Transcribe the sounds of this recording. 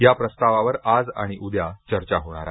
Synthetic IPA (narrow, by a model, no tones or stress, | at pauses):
japɾəst̪aʋaʋəɾad͡za̰ɽ̃iʔud̪jat͡ɕəɾt͡ɕaɦoɽ̃a̰ɾa